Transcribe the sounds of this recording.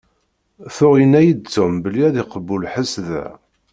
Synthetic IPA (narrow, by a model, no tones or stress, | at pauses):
θʊʁjənæjid̪̚t͡sːʊmbəlːiæðiqəbːulħəsðæ̰